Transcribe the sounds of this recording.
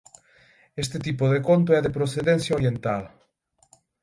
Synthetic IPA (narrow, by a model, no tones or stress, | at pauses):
est̪et̪ipoðekont̪̬oɛðepɾoθeðenθjaoɾjent̪að